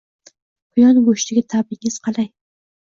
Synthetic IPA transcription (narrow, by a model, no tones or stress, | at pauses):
b̥ʊjɒnɡoʃt̪ɪɡʲɪt̪ʰabɪŋɪz̥qʰɑlˠaj